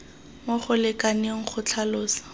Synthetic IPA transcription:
moχʊlɪkʼanɪŋ̩k͡xʰʊt͡ɬʰaloːsḁ

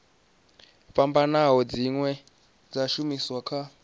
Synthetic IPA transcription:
ɸambanaɦɔd͡ziŋwɛ | d͡zaʃumiswakʰa

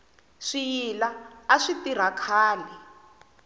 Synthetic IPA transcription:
ʂijilaaʂitiɾ̤akʰaːlɛ

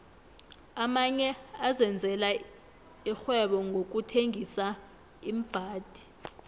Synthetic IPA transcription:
amaɲɛazɛnd͡zʱɛla | ixwɛɓɔŋɡʱok̬utʰeŋʱisa | im̩b̥ʱaːd̥ʱi̥

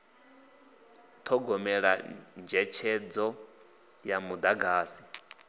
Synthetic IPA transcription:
t̪ʰɔɡɔmɛɺa̰nd͡ʒɛt͡ʃʰɛd͡zɔ | jamud̪aɡaːsi̥

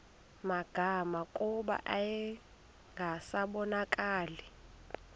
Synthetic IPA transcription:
maɡ̥ʱamakʼuɓa̰ʔajɛ | ŋɡʱasaɓɔnakʼaːlɛ

